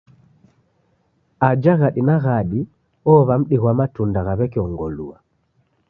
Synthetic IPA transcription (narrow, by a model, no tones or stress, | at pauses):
ad͡ʒaɣaɗinaɣaɗi | ɔβam̩ɗiɣwamatundaɣaβɛkiɔŋɡɔlṵa